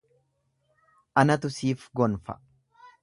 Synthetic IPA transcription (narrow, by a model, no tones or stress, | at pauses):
ʔɐnɐt̪ʊsiːfɡɔnfɐ̰